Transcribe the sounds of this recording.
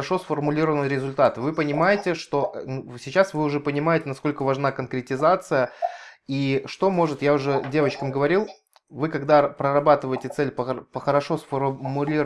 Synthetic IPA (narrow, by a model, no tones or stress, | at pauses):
ʂo̞sfərmʊlʲiɾəvənɨɾʲɪzʊlʲt̪at̪ɨvɨpənʲɪmajɪtʲɪʂt̪o̞ʔnusʲɪt͡ɕasvɨʊʐɛpənʲɪmajɪtʲɪnɐsko̞lʲkəvɐʐnakənkɾʲɪtʲɪzat̪sɨjəiʂt̪o̞mo̞ʐɨt̪jaʊʐɛdʲe̞vət͡ɕkəmɡəvɐɾʲilˠ | vɨkɐɡd̪apɾəɾɐbat̪ɨvəjɪtʲɪt̪sɛlʲpəpəxəɾɐʂo̞sfərmʊlʲiɾ